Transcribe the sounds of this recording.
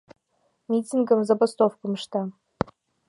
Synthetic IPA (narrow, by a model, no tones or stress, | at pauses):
mʲitʲinɡəmzɐbɐst̪ofkəmʂt̪ɑ